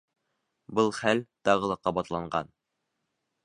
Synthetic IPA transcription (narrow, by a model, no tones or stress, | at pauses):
bɤlˠχælt̪ɑʁɤ̆lˠɑqːɑbɑt̪lˠɑɴɢɑ̰n